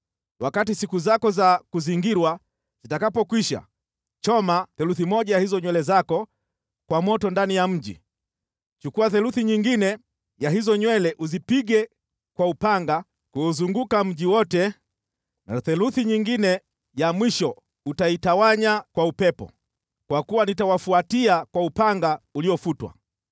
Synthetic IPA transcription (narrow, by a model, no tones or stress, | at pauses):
wakatisikuzakɔzakuziŋɡiɾwa | z̥itakapɔkwiʃa̰ | t͡ʃɔmaθɛluθimɔʄajahizɔɲwɛlɛzakɔ | kwamɔtɔndanijam̩ʄḭ | t͡ʃukuwaθɛluθiɲiŋɡinɛ | jaɦizɔɲwɛlɛʔuzipiɡɛ | kwaupaŋɡa | kuːzuŋɡukam̩ʄiwɔtɛ | na̰θɛluθiɲiŋɡinɛ | jamwiʃɔ | utaitawaɲakwaupɛpɔ̰ | kwakuwanitawafuatiakwaupaŋɡauliɔfutwa̰